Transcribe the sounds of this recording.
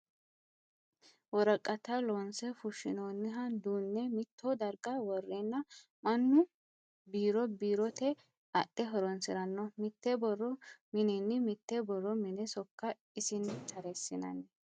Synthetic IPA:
wɔɾɐkʼːɐt̪ɐlonsɛfʊʃːɪ̰noːnːɪɦɐd̪uːnːɛmɪt̪ːɔd̪ɐɾɡɐwɔrːenːɐ | mɐnːʊ | biːɾɔbiːɾɔt̪ɛ | ɐ̰ʔːɛɦɔɾɔnsɪɾɐnːɔmɪt̪ːɛbɔrːɔmɪnɛnːɪmɪt̪ːɛbɔrːɔmɪnɛsɔkːɐ | ɪsɪnt̪ʰɐɾɛsːɪnɐ̰nɛ

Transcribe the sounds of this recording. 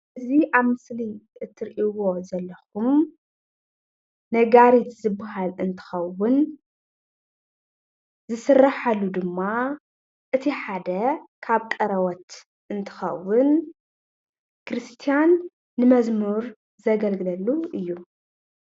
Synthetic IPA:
ɨziʔaβmɨsliɨt̪ʰːɨɾʔiwo̞zɐlːɐxum | ɐɡaɾit̪zɨbːahalɨnt̪ʰɨ̥xɐwʊn | zɨsɨrːaħalːud̪ɨmːa | ʔɨt̪ʰiħad̪ɐkʰaβt̪ʼɐɾɐwɔt̪ | ʔɨnt̪ʰɨ̥xɐ̰wːʊn | kɾɨst̪ʰijanː | ɨmɐzmuɾ | zɐɡɐlɡɨlɐlːuʔɨjːu

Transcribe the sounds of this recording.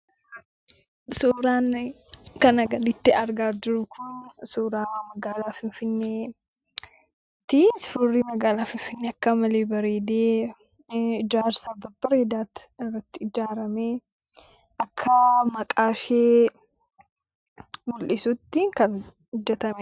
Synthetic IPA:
suːɾaːn | kɐnɐɡɐnɪt̪ːɪɐɾɡaːd͡ʒɪɾʊkʰʊnsuːɾaːmɐɡaːlaːfɪnfɪnːeː | t̪ɪsfʊrːimɐɡaːlaːfɪnfɪnːeɐkːɐmɐleːbɐɾeːd̪eː | ɪd͡ʒaːɾsɐbɐbːɐɾeːd̪aːt̪ɪrːɐt̪ːɪɪd͡ʒaːɾɐme | ʔɐkʰːɐmɐkʼaːʃeː | mʊlʔɪsʊt̪ːɪkɐn | hʊd͡ʒːɛt̪ɐmɛ

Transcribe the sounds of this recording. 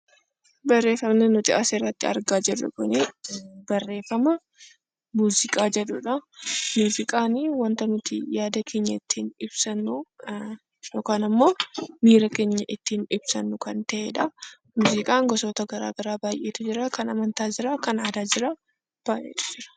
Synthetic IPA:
bɐrːe̞ːfɐmnɛnʊt̪ɪʔɐseːrːɐt̪ːɪɐ̰ɾɡaːd͡ʒɛᶑʊ̰kʊneb̥ɐrːe̞ːfɐmɐ | muːzɪkʼaːd͡ʒɛᶑʊᶑɐmuːzɪkʼaːnwɐnt̪ɐnʊt̪ɪ̰jaːd̪ɐkʰeːɲːɐɪt̪ːiːnɪbsɐnːu | joːkaːnɐmːo̞ːmiːɾɐke̞ːɲːɐʔɪt̪ːiːnɪbsɐnːʊkɐnt̪ɐʔeːᶑɐ | muːzɪkʼaːŋɡɔsoːt̪ɐɡɐɾa̰ːɡɐɾaːbaːjʔeːt̪ʊd͡ʒɪɾɐkɐnɐmɐnt̪aːd͡ʒɪɾɐkɐnaːd̪aːd͡ʒɪɾa | b̥aːjʔḛːt̪ʊ̥d͡ʒɪɾɐ̥

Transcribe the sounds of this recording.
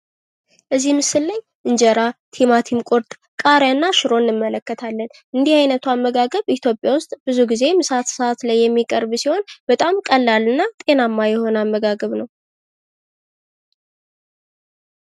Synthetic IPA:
ʔɨzːihmɨsɨlːaj | ʔɨɲd͡ʒəɾat̪ʰimat̪ʰimkʼoɾt̪ʼ | kʼaɾanːaʃɨɾo̞nːɨmːələkːət̪ʰalːən | ʔɨnd̪ihajnət̪ʰuamːəɡaɡəβit̪ʰjo̞pʼjawʊst̪ʼbɨzuɡize̞mɨsat̪səat̪lajːɛmːikʼəɾbsiho̞nb̥ət̪ʼamkʼəlːalɨnːat̪ʼe̞namːajɛho̞namːəɡaɡəβnəw

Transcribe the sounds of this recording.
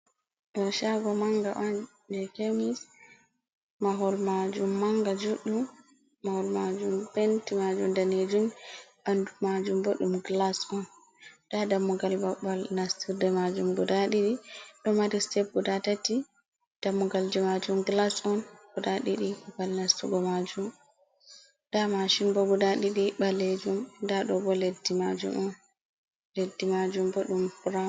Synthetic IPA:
ɗɔʃaɡɔmaŋɡaʔɔn | d͡ʒɛkemis | maɦɔlmad͡ʒumːaŋɡad͡ʒuɗum | mahɔlmad͡ʒumbɛntimad͡ʒumdaned͡ʒumʔandumad͡ʒumboɗumɡlasɔn | ɗ̥adamːuɡalbaɓalnastiɾdɛmad͡ʒumɡɔdaɗiɗiɗɔmaɾistɛp̚ɡudatati | d̥amːuɡald͡ʒimad͡ʒumɡlasɔnɡ̥udaɗiɗibalnastuɡɔmad͡ʒum | damaʃinbɔɡudaɗiɗibalːed͡ʒumdaɗɔbɔledːimad͡ʒṵmɔn | ledːimad͡ʒumbɔɗumbɾa

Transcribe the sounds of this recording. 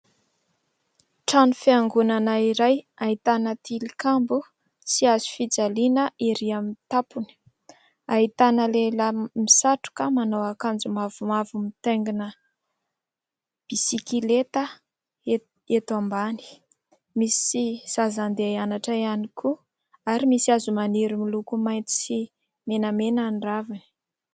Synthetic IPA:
ʈ͡ʂanufiaŋɡunanaiɾajaɦit̪anət̪ilikambu | siazu̥fid͡zalinəʔiɾiamit̪apuni̥ | ait̪anəleləmisaʈ͡ʂu̥kəmanowakand͡zumavumavumit̪eŋɡinə | b̥isikilet̪ə | e | et̪uambani̥ | misiz̥azand̪eianaʈ͡ʂaianikʰu | aɾimisiazumaniɾimilukumajnt̪i̥si | menəmenanɖ͡ʐavani̥

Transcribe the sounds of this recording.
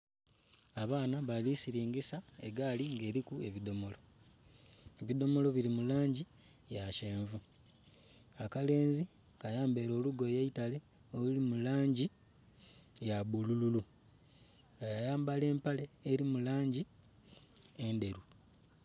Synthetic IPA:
aβaːnaβalisiɾiːŋɡisaeɡaliŋɡe̞ːɾikue̞βido̞mo̞lo̞ | eβid̪o̞mo̞lo̞βilimulaːɲɟi | jaʃe̞ːɱvu | akale̞ːnzi | kajaːmbe̞ɾo̞ːluɡo̞jaitale̞ | oulimulaːɲɟi | jabulululu | ajajaːmbale̞ːmpale̞ːɾimulaːɲɟi | e̞nde̞ɾu

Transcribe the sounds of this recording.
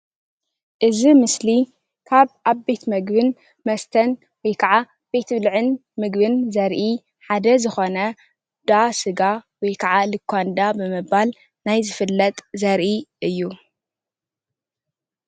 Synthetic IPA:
ʔɨzimɨsli | kʰaβʔaβbe̞t̪mɐɡbɨn | mɐst̪ʰɐn | wɔjkʰɐʕa | b̥e̞t̪ʰβlʕɨn | mɨɡbɨnzɐɾʔi | ħad̪ɐzɨxo̞nɐ | d̪̥asɨɡawɔjkʰɐʕalɨkʰːand̪abɨmɨbal | najzɨfɨlːɐt̪ʼzɐɾʔiʔɨjːu

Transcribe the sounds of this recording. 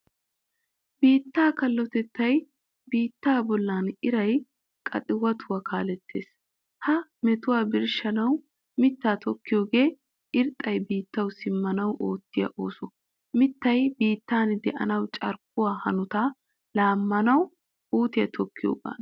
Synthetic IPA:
biːt̪ːaːkɐlːɔt̪ɛt̪ːɐj | biːt̪ːaːbɔlːaːnɪɾɐj | kʼɐ̰t̪ʼɪwɐt̪ʰʊwɐkʰaːlɛt̪ʰːe̞ːs | hɐmɛt̪ʊwaːbɪɾʃɐnɐw | mɪt̪ːaːt̪ʰɔkːɪjo̞ːɡe̞ː | ʔɪɾt̪ʼːɐjbiːt̪ːɐwsɪmːɐnɐwʔoːt̪ːɪjɐ̰ʔo̞ːsɔ | mɪt̪ːɐjbiːt̪ːaːnd̪ɛʔɐ̰nɐwt͡ʃʼɐɾk̚ʊwaːhɐnʊt̪aː | laːmːɐnɐw | uːt̪ɪjɐt̪ʰɔkːɪjo̰ːba̰ːn

